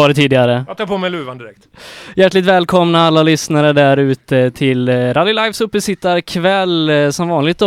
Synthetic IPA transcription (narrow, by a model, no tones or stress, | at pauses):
ɑːɾɪt̪ʰːiːd̪ɪɡaɾəjt̪ʰɑːɾpʰomɛjlʉːvand̪ɪɾɛk̚t̪jæʈːlɪkt̪vɛːlkʰɔmnaalːalʏsnaɾəɖæɾʉ̟ːt̪ət̪ʰɪlɾad̪ɪlajfsɵpːəsɪt̪ːaɾkʰvɛlːsɔmvɑːnlɪɡt̪ɔ